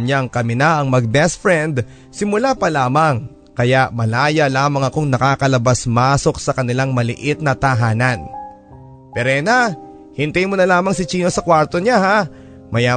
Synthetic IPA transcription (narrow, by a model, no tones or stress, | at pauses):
ɲaŋkɐmɪnaʔɐŋmɐɡ̚bɛsfɾɛnd̪ | sɪmʊlapɐlaːmɐŋ | kɐjaʔmɐlaːjɐlaːmɐŋɐkoŋnɐkaːkɐlɐbasmaːso̞k̚sɐkɐnɪlaŋmɐlɪ̰ʔɪt̪̚nɐt̪ɐɦaːnɐn | pɛɾɛna | hɪnt̪ajmonɐlaːmɐŋsɪt͡ʃiːnosɐkwaɾt̪o̞ɲaha | mɐjaː